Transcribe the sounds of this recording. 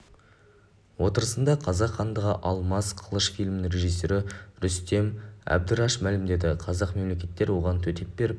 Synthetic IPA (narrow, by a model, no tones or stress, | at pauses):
wo̞t̪əɾəsənd̪ɑqʰɑzɑqχɑnd̪əʁəʔɑlˠmɑsqʰəlˠəʃfijlʲmɪnɪre̞ʒijsːe̞ɾɪɾʏst̪e̞mæ̰b̚d̪ɪɾɑʃmælɪmd̪e̞d̪ɪqʰɑzɑqme̞mle̞kʲe̞t̪ːe̞ɾwo̞ʁɑnt̪ʰɵt̪ʰe̞p̚be̞ɾɪp̚